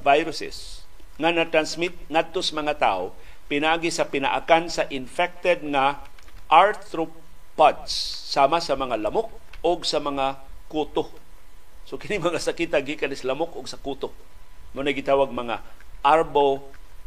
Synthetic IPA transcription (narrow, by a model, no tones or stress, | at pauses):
vajɾʊsɪ̰s | ŋanɐt̪ɾansmɪt̪̚ŋad̪̚t̪osɐmɐŋat̪a̰ʔo | pɪnaʔaːɡisɐpɪnɐ̰ʔakansɐʔɪnfɛk̚t̪ɛd̪̚ŋa | ʔaɹt̪ɾo | pad̪sːaːmasɐmɐŋalɐmok̚ | oɡsɐmɐŋakuːt̪o | sokɪnɪmɐŋasɐkiːt̪aɡikanɪslɐmokʔʊɡsɐkut̪o | mʊnajɡɪt̪aːwaɡ̚mɐŋaʔaɾbo